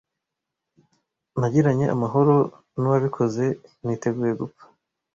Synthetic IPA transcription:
naɟiɾaɲe̞ʔa̰maɦo̞ɾo̞ | nuwaβikʰo̞ze̞niːte̞ɡuːje̞ɡupḁ

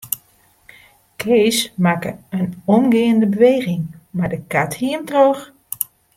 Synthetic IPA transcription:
kʰeːsmakə̰ənɔmɡɪəndəbəʋejɣɪŋmadəkathiəmtrox

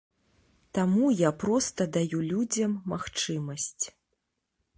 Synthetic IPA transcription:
t̪amujapɾɔst̪ɐd̪ajulʲud͡zʲɐmːaxt͡ʂɨmɐsʲt͡sʲ

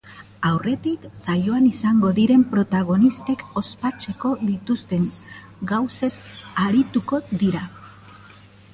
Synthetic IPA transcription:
awre̞t̪iksajo̞anisaŋɡo̞ðiɾe̞mpɾo̞t̪aɣ̞o̞nist̪e̞ko̞spat͡ʃe̞ko̞ðit̪ust̪e̞ŋ | ɡawse̞saɾit̪uko̞d̪iɾa

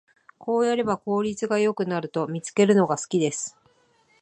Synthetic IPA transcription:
ko̞ːjaɾe̞bako̞ːɾʲit͡sɨɡajo̞kɯ̟naɾɯ̟t̪o̞mʲit͡sɨ̥ke̞ɾɯ̟no̞ɡasɨ̥kʲid̪e̞sɨ̥

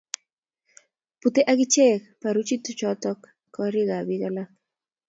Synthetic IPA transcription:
put̪eʔaɣɪt͡ʃɛkpaɾut͡ʃit̪ʊt͡ʃɔt̪ɔk | kːɔɾiɣabiɣala

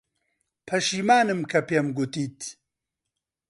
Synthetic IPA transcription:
pʰɐʃiːmaːnɨmkʰɐpeːmɡʊt̪iːt̪

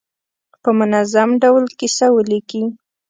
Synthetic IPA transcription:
pəmʊnazamɖawlkisawəliki

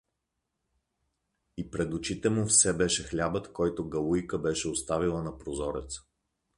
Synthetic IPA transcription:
ipɾɛd̪ʊt͡ʃit̪ɛmofsɛbɛʃɛxlʲabət̪kɔjt̪oɡɐlˠujkəbɛʃɛost̪avilˠənɐpɾozɔɾɛ̰t̪s

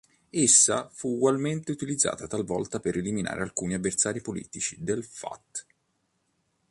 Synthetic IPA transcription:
esːafuːɡwalment̪eut̪ilid̪zːa̰ːt̪at̪alvɔ̰lt̪apeɾelimina̰ːɾealkuːniavːersaːɾipolḭːt̪it͡ʃid̪elfa̰t̪ː

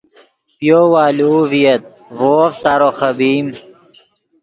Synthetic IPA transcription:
pjoːwaːluːvijɐt̪̚ | voːfsaɾoxɐbiːm

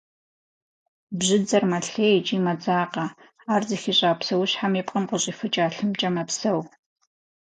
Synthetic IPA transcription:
bʑɪd͡zɐrmɐɬeːjt͡ʃʼiːmɐd͡zaːqɐ | aːrzɐxiɕʼaːpsɐwʊɕħamipʼqʼənqʊɕʼifɨt͡ʃʼaːɬɨmt͡ʃʼɐmɐpsɐw

